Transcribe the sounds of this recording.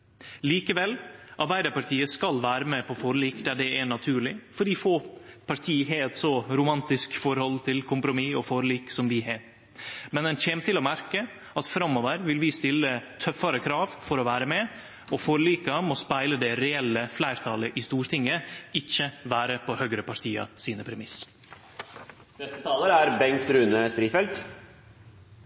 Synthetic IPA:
liːkəʋɛlːʔɑɾbæɪd̪əɾpɑʈʰiːəskɑlʋæːɾəmɛpʰɔfɔɾliːkd̪æɖɛænɑt̪ʰʉːɭɪfɔɖifoːpʰɑɾʈ̪ʰiːɦeɛt̪sɔɾʊmɑnt̪ɪskfɔɾhɔlt̪ʰɪlkʰʊmpɾʊmiɔfɔɾliːksɔmd̪ɪɦeːɾ | mɛnd̪ɛnçeːnət̪ɪlɔmæɾkə | ɑt̪fɾɑmːɔːʋəɾʋɪlʋɪst̪ɪlːət̪ʰœfːɑɾəkʰɾɑːʋfɔɾɔʋæːɾəmɛ | ɔfɔɾliːkɑmɔspæɪləd̪ɛɾɛɛlːəflæɪɾt̪ʰɑːləʔɪst̪uːɾʈ̪ʰɪŋːəɪçːəʋæːɾəpʰɔhœɡɾəpʰɑɾʈ̪ʰiːɑ̰siːnəpʰɾɛmɪs | nɛst̪ət̪ʰɑːləɾæɾbɛŋkt̪ɾʉːnəst̪ɾiːfɛlt̪

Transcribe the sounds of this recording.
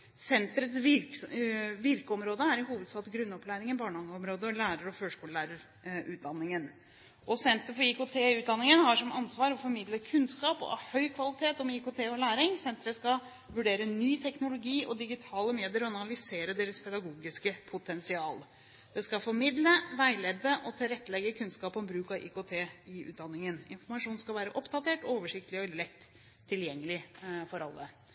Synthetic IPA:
sɛnt̪ɾət̪sʋɪɾ | ʋɪɾkəɔmɾoːd̪əæɾɪhuːʋəd̪sɑːt̪ɡɾʉnːɔplæːɾɪŋənbɑːɳəɑŋɡəɔmɾoːd̪əɔlæːɾəɾɔføːʂkuːləlæːɾəɾ | ʉːt̪̚d̪ɑnːɪŋən | ʔɔsɛnt̪əɾfɔɾɪkot̪ʰeːʉːt̪̚d̪ɑnːɪŋənhɑʂɔmɑnsʋɑːɾɔfɔɾmɪd̪ləkʰʉnskɑːpɔ̰hœʏkʰʋɑlɪt̪ʰeːt̪ɔmɪkot̪ʰeːɔlæːɾɪŋsɛnt̪ɾəskɑ | ʋʉɖeːɾənyːt̪ʰɛknʊlʊɡiːʔɔd̪ɪɡɪt̪ʰɑːləmeːd̪ɪəɾɔɑnɑlɪseːɾəd̪eːɾəspʰɛd̪ɑɡuːɡɪskəpʰʊt̪ʰɛnsɪɑːl | d̪̥ɛskɑfɔɾmɪd̪ləʋæɪlɛd̪ːəʔɔt̪ʰɪlɾɛt̪ːəlɛɡːəkʰʉnskɑːpɔmbɾʉːkɑʔḭːkot̪ʰeːɪʉ̰ːt̪̚d̪ɑnːɪŋənɪ̰nfɔɾmɑʂuːnskɑlʋæːɾəʔɔpd̪ɑt̪eːʈoːʋəʂɪk̚t̪əlɪɔɪlɾɛkt̪ʰː | ɪljɛŋːəlɪfɔɾɑ̰lːə̰

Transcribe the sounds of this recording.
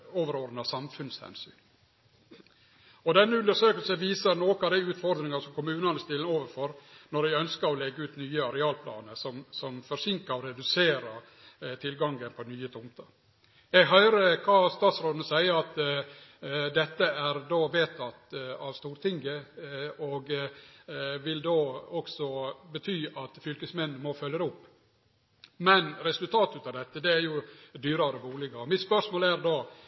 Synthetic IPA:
oːʋəɾɔɾnɑsɑmfʉnshɛ̰nsy̰n | ɔd̪ɛnːəʉnd̪əʂøːkəlsəʋiːsəɾnoːkɑd̪æɪʉːt̪fɔɾd̪ɾɪŋɑsɔmkʊmʉːnɑnəst̪ɪlənoːʋəɾfɔɾnɔɖɛɡœnskəɾɔlɛɡːəʉːt̪nyːəɑɾɛɑːlpʰlɑ̰ːnəsɔmsɔmfɔɾʂɪŋkəɾɔɾɛd̪ʉseːɾə | t̪ʰɪlɡɑŋɡənpʰɔnyːət̪ʰʊmt̪ʰə | ɛɡɦœʏɾəkʰɑːst̪ɑːt̪sɾoːd̪n̩əsæɪəɾɑt̪ | d̪ɛt̪ːəæɾd̪oːʋeːt̪ʰɑt̪ɑʋst̪uːɾt̪ʰɪŋɡə | ɔːɡ | ʋɪld̪oːɔksɔbət̪ʰyːʔɑt̪fʏlkəsmɛnnmɔfœljəɾɛʊpː | mɛnɾɛsʉlt̪ʰɑːt̪ʉt̪ɑʋd̪ɛt̪ːəd̪ɛæɾjʊd̪yːɾɑɾəbuːlɪɡɑɔmɪt̪spœʂmoːlæɾd̪oː

